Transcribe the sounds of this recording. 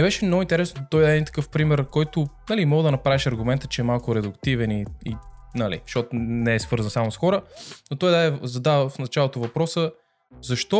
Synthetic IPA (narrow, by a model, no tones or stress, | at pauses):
nɛbɛʃɛmnɔɡʊint̪ɛɾɛsnot̪ɔjd̪aɛint̪ɐ̥kɤfpɾimɛɾkɔjt̪ʊnɐlimɔɡd̪ɐnɐpɾaviʃɐɾɡʊmɛnt̪ə̥t͡ʃɛɛmalˠkʊɾɛd̪ʊkt̪ivɛniinalḭʃɔt̪nɛɛsvɤɾzənsamʊsxɔɾənot̪ɔjd̪ad̪ɛzɐd̪avəfnɐt͡ʃalˠot̪ovɐpɾɔsə | zɐʃt̪ɔ